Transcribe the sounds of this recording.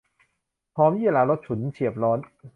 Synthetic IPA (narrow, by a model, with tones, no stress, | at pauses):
pʰɔː˦˥mjiː˥˩a˧˩laː˧˥lo˦˥t̪̚t͡ɕʰu˩˦nt͡ɕʰi˨˩əp̚lɔː˦˥n